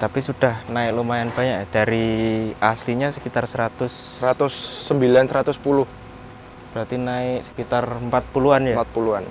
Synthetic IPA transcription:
t̪apisud̥ahnaɪk̚lumajanb̥aɲakjad̥aɾiasliɲasəkit̪arsəɾat̪ʊs | səɾat̪ʊsːəmbilansəɾat̪ʊspulʊh | b̥əɾart̪inaɪksə̥kit̪arəmpat̪̚puluanjaat̪̚puluan

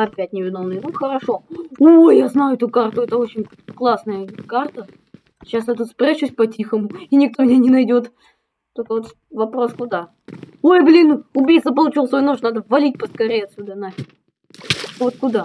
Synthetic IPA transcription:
ɐpʲæt̚ʲnʲɪvʲɪno̞mnɨjnuxəɾɐʂo̞ojjaznajʊɛt̪ʊkart̪ʊɛt̪əo̞t͡ɕɪnʲ | klˠasnəjəkart̪ə | ɕasjat̪ut̪spɾʲaɕusʲpɐtʲixəmʊinʲɪkt̪o̞mʲɪnʲenʲɪnɐjdʲo̞t̪ | t̪okəvo̞t̪ | vɐpɾo̞skʊd̪a | ojblʲinʊbʲijt̪səpəlˠʊt͡ɕilˠsvojnoʂnad̪əvɐlʲit̚ʲpəskɐɾʲejɐt̪sʲud̪əna | vo̞t̪̚kʊd̪a

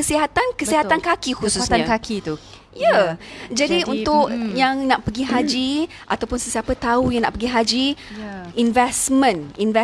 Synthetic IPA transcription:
kəsiɦat̪ankəsiɦat̪ankakihusuakakit̪u | jad͡ʒadiunt̪ʊkjaŋnaʔpəɡiɦad͡ʒi | ʔat̪awpʊnsəsiapət̪aujaŋna̰ʔpəɡiɦad͡ʒi | invɛsmə̃ninvɛ

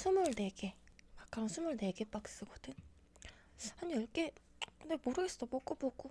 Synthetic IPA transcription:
sʰumɯɭneɡemak͈ʰaɾʌnsʰumɯɭne̞ɡep͈ak̚s͈ɯɡotɯn | haɲijʌɭk͈e | kɯndemoɾɯɡes͈odopok͈opok͈o

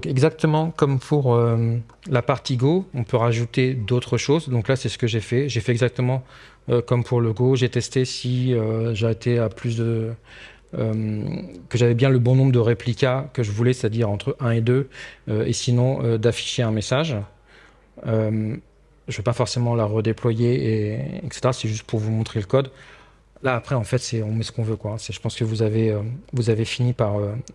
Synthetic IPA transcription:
d̪̃kɛɡzak̚t̪əmɑ̃kɔmpʰuʁøm | lapaʁt̪iɡoɔ̃pøʁaʒut̪ed̪ot̪χəʃozd̪ɔ̃klasɛsə̥kəʒɛfɛʒefɛɛɡzak̚t̪əmɑ̃ | økɔmpʰuʁləɡoʒɛt̪ɛst̪esiøʒaet̪eaplys̬d̪ə | mkəʒavɛbjɛ̃ləbɔ̃nɔ̃bʁəd̪əʁeplikʲakəʒəvulɛset̪ad̪iʁɑ̃t̪χəʔɛ̃ed̪øøesinɔ̃ød̪afi̥ʃeɛ̃mesaʒ | øm | ʒəvøpafɔʁsemɑ̃laʁəd̪eplwajeːɛ̰kse̥t̪eʁasɛʒyst̪̚pʰuʁvumɔ̃t̪χeləkɔd̪ | laːpχɛɑ̃fɛt̪sɛɔ̃mɛsə̥kɔ̃vøkwaɛ̃sɛʒə̥pɑ̃skəvuzaveøvuzavefinipaʁø

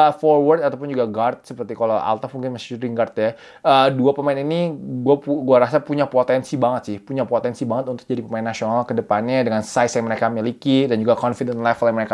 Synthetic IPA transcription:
fɔrwərd̪at̪awpʊnd͡ʒuɡaɡart̪̚səpərt̪ikalawʔa̰lt̪amuŋkɪnmasuɾiŋɡart̪ja | əduapəmaɪniniɡuauɡuaɾasapuɲapot̪ɛnsibaŋət̪sɪhpuɲapot̪ɛnsibaŋət̪̚unt̪ʊk̚d͡ʒadipəmaɪnːasionalkədəpanɲadəŋansajsjaŋməɾekamilikidand͡ʒuɡakɔnfidɛnlɛfəljaŋməɾeka

